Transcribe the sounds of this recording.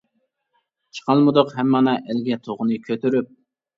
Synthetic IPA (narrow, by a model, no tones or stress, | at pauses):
t͡ʃʰə̥qʰɑlˠmɨd̪ʊqhɛmːɑnɑʔɛlɡʲɛt̪ʰoʁʊnɨkʲʰøt̪yɾyp̚